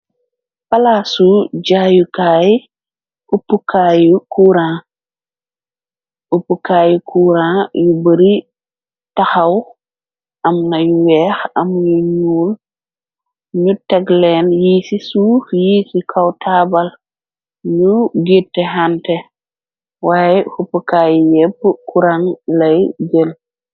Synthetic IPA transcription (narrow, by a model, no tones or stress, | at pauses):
pɐlaːsuɟaːjukaːj | ʔupːukʰajukuːɾãː | upːukaːjukʰuːɾãːjubəɾi | tɐxɐw | ʔɐmnɐjuwɛːxɐmjuɲuːl | ɲutɛɡlɛːnjiːsisuːfjiːsikʰɐwtʰaːbɐl | ɲuɡitːɛɦantɛ | waːjɛfupəkaːjjɛpːəkuɾaŋlɐjd͡ʒəl